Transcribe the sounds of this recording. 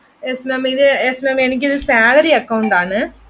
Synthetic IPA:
esmemiðɯesmemenɐk̬ʲːiðɯsaːɣɐɾiɐkːɐʋʊnd̪aːnɯ

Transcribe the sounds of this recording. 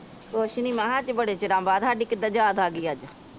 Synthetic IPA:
koːʃniːmɛ̃ːɦãːt͡ʃbəɽeːt͡ʃɪɾãːmbaːd̪ɦaːɖiːkɪd̪aːd͡ʒaːd̪aːɡiːad͡ʒ

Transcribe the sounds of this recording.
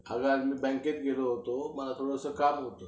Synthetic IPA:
əɡaɾmiːbɛ̃ŋket̪ɡeloɦot̪oməlat̪ʰoɽəəsəkamɦot̪o

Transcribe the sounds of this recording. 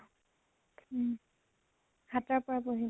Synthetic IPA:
hataɹpɔɹapoɦi

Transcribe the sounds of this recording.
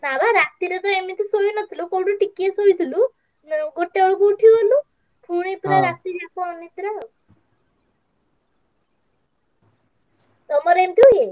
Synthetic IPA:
nabaɾak̚t̪iɾet̪ɾemit̪isojunɔt̪ʰilukɔɽuʈikːiesojt̪ʰilu | nɡoʈːeɔɭukuːʈʰjuɦolu | pʰuɽ̃iplaɾak̚t̪iɾakɔnit̪ɾa | t̪ɔmɔɾeemt̪iue

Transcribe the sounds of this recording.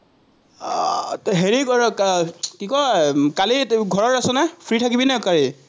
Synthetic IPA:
ɦeɹiɡɔɹkkikɔɹkaliɡʱɔɹɔɹasɛnɛpʰɹitʰakibinɛkali

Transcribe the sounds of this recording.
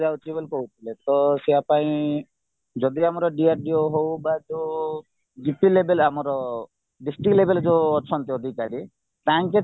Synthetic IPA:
d͡ʒawt͡ʃʰibelkɔɦut̪ʰilet̪ɔseapaĩ | d͡ʒɔd̪iamɔɾɔɖiaɾɖioɦowbad͡ʒe | ɡipilebelamɔɾɔ | ɖisʈiklebeld͡ʒeɔt͡ʃʰɔnt̪iɔd̪ʱikaɾi | t̪aŋke

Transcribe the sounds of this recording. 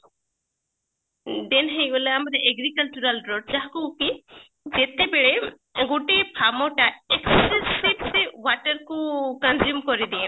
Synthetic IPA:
d̪enɦejɔleamɾɛʔeɡɾikəlt͡ʃuɾalɖɾoɖ̚t͡ʃaɦkuki | d͡ʒet̪ebeɽe | ɡuʈipʰamɔʈaɛkssessibsewaʈəɾkukɐnzjumkɔɾid̪iɛ̃

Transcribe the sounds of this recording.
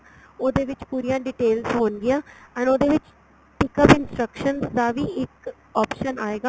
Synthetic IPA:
oːd̪eːʋɪt͡ʃpuːɾijãːɖɪʈeːlzɦoːnɡɪjãːɛ̃ːnoːd̪eːʋɪt͡ʃ | ʈɪkəpɪnsʈɾəkʃənsd̪aːʋiːɪk | ɔːpʃənaːeːɡaː

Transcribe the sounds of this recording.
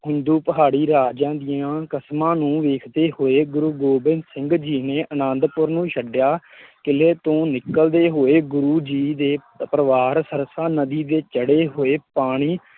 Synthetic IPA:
ɦʊnd̪uːpəɦaːɽiːɾaːd͡ʒãːd̪ɪjãːkəsmãːnũːʋeːkʰd̪eːhoːeːɡʊɾuːɡoːbɪnsɪ̃ŋɡd͡ʒiːneːʔənãːnd̪pʊɾnũːʃəɖjaːkɪleːt̪õːnɪkːəld̪eːɦoːeːɡʊɾuːd͡ʒiːd̪eː | pɾəʋaːɾsəɾsaːnəd̪iːd̪eːt͡ʃəɽeːɦoːeːpaːɽ̃iː

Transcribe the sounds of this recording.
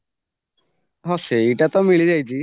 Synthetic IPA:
ɦɔseejʈat̪ɔmiɭid͡ʒajt͡ʃʰi

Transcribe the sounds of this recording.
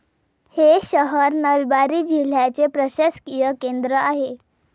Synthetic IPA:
heɕəɦəɾnəlbaɾiːd͡ʑil̤jat͡sepɾəɕəskijəkend̪ɾəaɦe

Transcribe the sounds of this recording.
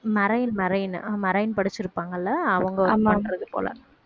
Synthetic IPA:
mɐɾɐjɪlmɐɾɐjɪnmɐɾɐjɪnpɐɽɯt͡ʃːɪɾɯpːaːŋɡɐlːaːʋɐŋɡɐːmɐnrɐðɯpo̰ːlɐ̰

